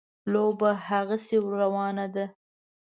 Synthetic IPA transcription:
lobahaɣasewɾawɑnad̪a

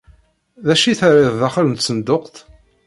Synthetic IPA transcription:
ðæʃiθɾɪððaχələnt̪sənd̪oqt̪

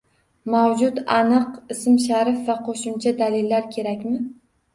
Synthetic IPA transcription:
mawd͡ʒʊt̪anɨqɪsɪmʃaɾɪfvaqʰoʃʊmt͡ʃʰad̪alɪlːaɾkʲʰe̞ɾakʲmɪ

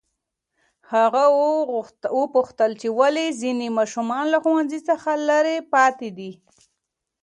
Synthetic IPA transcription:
haɣa | wopuxt̪əlt͡ʃewalezinemɑʃumɑnlaxuwanzisəxalaɾepɑt̪ed̪i

